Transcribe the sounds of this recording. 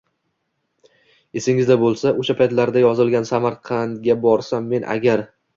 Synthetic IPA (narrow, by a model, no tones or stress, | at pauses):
e̞sɪŋɪzd̪abolˠsaʔoʃapʰajt̪laɾd̪ajɒzɪlˠɡʲansamaɾqʰɑnɡʲabɒɾsamːe̞nʔa̰ɡʲaɾ